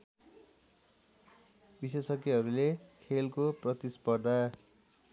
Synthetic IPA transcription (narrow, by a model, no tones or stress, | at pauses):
bisesʌkiɦʌɾulekʰelkoprʌt̪ispʌrd̪ʱa